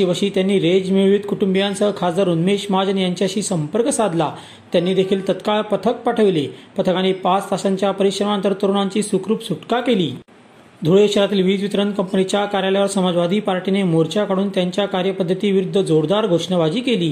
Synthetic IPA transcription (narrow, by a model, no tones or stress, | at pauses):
iʋəɕiːt̪janːiːɾed͡ʑmiɭʋiːt̪kuʈumbjant͡səkʰad͡zd̪aɾunmeɕmad͡ʑənijaɲt͡ɕjaɕiːsəmpəɾksad̪la | t̪janːiːd̪ekʰiːlt̪ət̪kaɭpət̪ʰək̚paʈʰəʋilepət̪ʰəkanepat͡st̪aɕaɲt͡ɕjapəɾiɕɾəmant̪əɾt̪əɾonaɲt͡ɕiːsukɾuːpsuʈkakeliː | d̪ʱuɭeɕəɾat̪iːlʋiːd͡zʋit̪ɾənkəmpənit͡ɕjakaɾjaljaʋəɾsəmad͡zʋad̪ʱiːpaɾʈinemoɾt͡ɕjakaɽuːnt̪jaɲt͡ɕjakaɾjəpəd̪ʱːət̪iːʋiɾud̪ʱːəd͡zoɾd̪aɾɡʱoʂɳəʋad͡ʑiːkeliː